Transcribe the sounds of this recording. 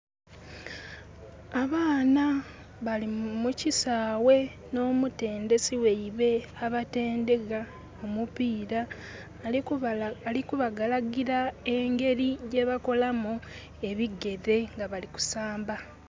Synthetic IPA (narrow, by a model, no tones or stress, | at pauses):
aβaːna | βalimucisaːwe̞ | no̞ːmute̞ːnde̞siwe̞iβe̞aβate̞ːnde̞ɡa | omupiːɾa | likuβaɡalaɡiɾae̞ŋɡe̞ɾijeβako̞lamu | e̞βiɡe̞ðe̞ŋɡaβaliku̥saːmba